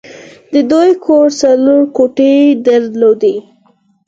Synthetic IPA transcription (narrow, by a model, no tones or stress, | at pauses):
d̪əd̪ojkʰoɾsaloɾkoʈed̪əɾlod̪e